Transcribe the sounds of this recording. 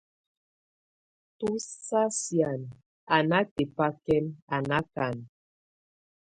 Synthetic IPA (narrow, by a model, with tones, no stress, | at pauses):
tu˦sa˦sja˨n | a˨na˦te˨pa˦kɛ˦ma˨na˦ka˨n